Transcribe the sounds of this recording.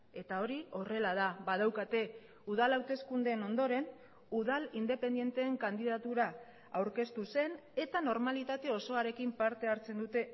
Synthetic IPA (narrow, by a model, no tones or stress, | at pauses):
e̞t̪ao̞ɾio̞re̞lað̞aβað̞awkat̪e̞ | uð̞alawt̪e̞skund̪e̞ːno̞nd̪o̞ɾe̞n | uðalind̪e̞pe̞nd̪je̞nt̪e̞ːŋkand̪iðat̪uɾa | awɾke̞st̪use̞ne̞t̪ano̞ɾmalit̪at̪e̞o̞so̞aɾe̞kimpaɾt̪e̞aɾt͡se̞nd̪ut̪e̞